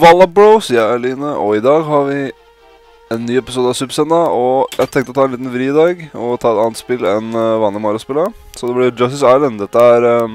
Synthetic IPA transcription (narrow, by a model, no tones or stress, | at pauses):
ʋɑlːɑbləʊsiːəɑliːnəʔɔɪd̪ɑːɡɦɑɾʋɪ | ɛnːyːɛpɪsuːd̪əɑsʉbsɛnːəɔjæɪt̪ʰɛ̃ŋkt̪əɔt̪ʰɑːɛniːt̪n̩ʋɾiːɪd̪ɑːɡɔt̪ʰɑːɛt̪ɑːnət̪spɪlɛnʋɑnːəmɑɾəspɪlːə | sɔd̪ɛblɪd͡ʒɑst̪ɪsɑɪlənd̪ɛt̪ːəæɾ